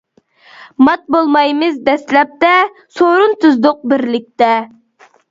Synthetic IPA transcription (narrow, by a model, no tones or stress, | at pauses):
mɑt̪̚bolˠmɑjmɨzd̪ɛslɛp̚t̪ɛ | soɾunt̪uzd̪ʊq̚bɪɾlɪk̚ʲt̪ɛ